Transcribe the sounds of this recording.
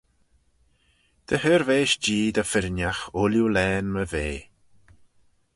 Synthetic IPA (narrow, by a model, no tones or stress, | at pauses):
d̪̥əhəːɾveːʃd͡ʒiːd̪əfɪɾnjaxʊljulɛːnməveː